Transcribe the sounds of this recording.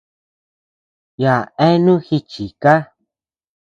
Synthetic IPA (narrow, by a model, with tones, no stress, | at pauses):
ja˨ẽ˦nũ˦xi˧t͡ʃi˨ka˦